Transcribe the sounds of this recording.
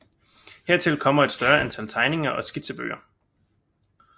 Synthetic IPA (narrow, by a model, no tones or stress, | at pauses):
heɐt͡sʰe̝lkʰɒ̽m̰ɐe̝d̥sd̥ɶɐænt͡sʰælt͡sʰɑ̈ɪne̝ŋɐʔɒ̽sɡ̥id̥seb̥ø̰ːɐ